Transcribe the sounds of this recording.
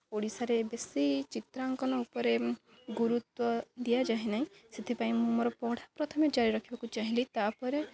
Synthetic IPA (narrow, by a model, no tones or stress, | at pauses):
poɽisaɾebesit͡ʃit̪ɾaŋkɔnɔupɔɾe | ɡuɾut̪wɔd̪ijad͡ʒaɦenaɦĩset̪ʰepaĩmũmoɾɔpɔɽ̤ʰʱapɾɔt̪ʰɔmed͡ʒaɾiɾɔkʰibakut͡ʃaɦĩlit̪apɔɾe